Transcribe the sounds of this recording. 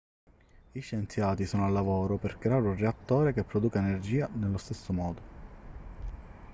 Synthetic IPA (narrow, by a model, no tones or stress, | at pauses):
iʃːent̪sjaːt̪isɔːnoalːavoːɾoperkɾeaːɾunreat̪ːoːɾekepːɾɔd̪uːkaenerd͡ʒiːanelːost̪esːomɔːd̪o